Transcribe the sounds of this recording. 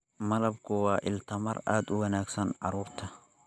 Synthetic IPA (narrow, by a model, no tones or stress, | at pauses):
mɐlɐbkʊwaːʔɪlt̪ʰɐmɐra̰ːd̪ʊwɐnaːɡsɐnʕɑ̰ɾuːɾt̪ʰɐ